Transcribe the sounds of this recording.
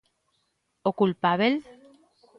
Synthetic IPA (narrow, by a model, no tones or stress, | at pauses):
okulpaβel